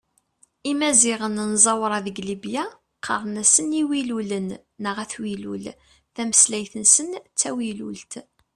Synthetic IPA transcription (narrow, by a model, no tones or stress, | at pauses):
imæziʁənnzˤɑwɾˤɑðəɡlibja | qʰɑ̰ɾˤnæsəniwilulənː | əʁæθwilul | θæməslæjθənsənt͡sːæwilult̪